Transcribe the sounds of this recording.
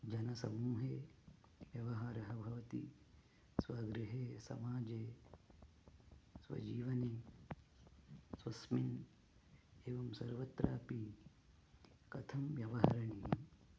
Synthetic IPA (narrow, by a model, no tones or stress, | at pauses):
d͡ʒɐnɐsɐmuːɦeː | ʋjɐʋɐɦaːɾɐɦɐbʱɐʋɐt̪i | sʋɐɡɾiɦeːsɐ̰maːd͡ʒeː | sʋɐ̰d͡ʒiːʋɐni | sʋɐsmin | eːʋɐmsɐɾʋɐt̪ɾaːpi | kɐt̪ʰɐmʋjɐʋɐɦɐɾɐɳijɐm